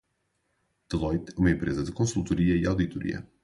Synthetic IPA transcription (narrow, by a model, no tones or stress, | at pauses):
d̪̥ɨlˠɔjt̪ɛumɐẽmpɾezɐðɨkõsulˠt̪uɾiɐiawðit̪uɾḭɐ̰